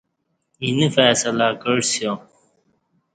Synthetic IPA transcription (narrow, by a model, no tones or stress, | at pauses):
inifɛːsɐlaːkəɻsjoː